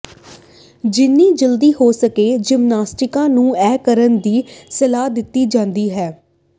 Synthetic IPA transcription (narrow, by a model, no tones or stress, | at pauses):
d͡ʒɪnːiːd͡ʒəld̪iːhoːsəkeːd͡ʒɪmnaːsʈɪkãːnũːɛːkəɾənd̪iːsəlaːd̪ɪt̪ːiːd͡ʒãːnd̪iːɦɛː